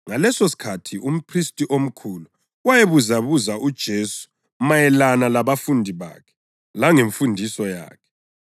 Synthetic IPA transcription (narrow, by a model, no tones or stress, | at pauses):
ŋalɛsosi̥kʰatʰiʔum̩pʰristʼiʔom̩kʰuːlu | wajeβuzaβuzaud̥ʒ̥ʱeːsu̥ | majɛlanalaβafundʱiβa̰ːkʰɛ̥ | laŋeɱfundʱisɔja̰ːkʰɛ̥